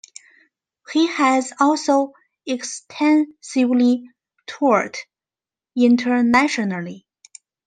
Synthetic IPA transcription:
hihæzɔlˠsoʊ | ɛkstʰɛ̃nsɪvli | tʰɔɹt | ɪ̃ntʰə˞næʃənəlˠi

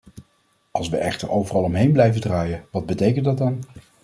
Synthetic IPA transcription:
ɑlˠsʋəʔɛχtəɹowvərɑlˠɔmɦejnblɛjvədraːjəʋɑd̚bətejkəntdɑt̚dɑn

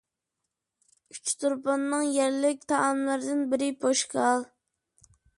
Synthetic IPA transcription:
yt͡ʃt̪uɾpɑnːɨŋjɛɾlɪk̚ʲt̪ʰɑːmlˠəɾd̪ɪnbɪɾɪpoʃkɑlˠ

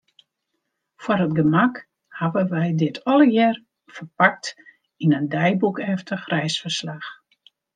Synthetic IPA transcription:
fwarətɡəmak | haʋəʋɛjdɪtʰɔlˠəjɛr | fərpak̚t | inəndɛjbukɛftʰəxrɛjsfərslax

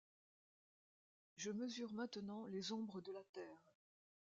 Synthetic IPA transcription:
ʒəməzyʁmɛ̃t̪ənɑ̃lezɔ̃bʁəd̪əlat̪ɛːʁ

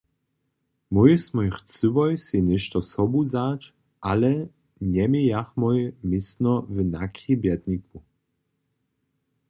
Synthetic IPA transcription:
mɔjsmɔjxt͡sɨvɔjsinɛʃt̪ɔsɔbuzat͡ʃ | ʔalɛ | ɲɛmijaxmɔjmɪsnɔvənakʰibjɛd̪niku

